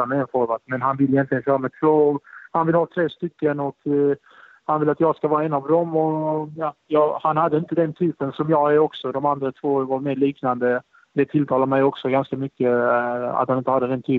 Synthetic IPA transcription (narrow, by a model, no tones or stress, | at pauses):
amɛɛnfɔɾvat̪mɛnɦanvɪlːɪjɛnt̪lɪɡənɕœːɾamɛt̪ʰvoːhanvɪlhɑːt̪ʰɾeːst̪ʏkːənɔk | hanvɪlːat̪jɑːɡskavɑːɾaɛnavd̪ɔmɔjɑjɑhanhad̪ːəɪnt̪əd̪ɛnt̪ʰyːpənsɔmjɑːɡæɾɔksɔd̪ɔmand̪ɾat̪ʰvoːvaɾmeːliːknand̪ə | d̪ɛt̪ʰɪlt̪ʰɑːlaɾmɛjɔksɔɡanskamʏkːəa̰t̪hanɪnt̪əhad̪ːəd̪ɛnt̪ʰyː